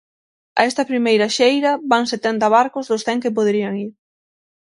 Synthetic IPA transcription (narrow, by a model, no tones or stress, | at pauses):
ɐ̰ɛst̪ɐpɾimejɾɐʃejɾɐβaŋset̪ɛnt̪ɐβaɾkozðosθɛŋkep̬oð̞ɾiaŋiɾ